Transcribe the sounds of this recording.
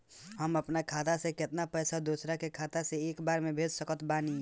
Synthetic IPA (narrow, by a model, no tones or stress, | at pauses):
ɦəməpnakʰaːt̪asẽkɪt̪napəjsad̪osɾakekʰaːt̪aseeːkbaːɾmebʱed͡ʒsəkət̪bani